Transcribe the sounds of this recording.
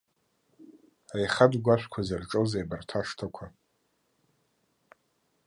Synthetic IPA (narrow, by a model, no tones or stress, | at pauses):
ajχadɡʷaʃʷᶣkʷʰazarʈ͡ʂʼozajbartʰaʂtʰakʷʰa